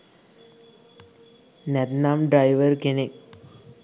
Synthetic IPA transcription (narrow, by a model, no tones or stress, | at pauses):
net̪naːmɖɾajʋɐɾkenik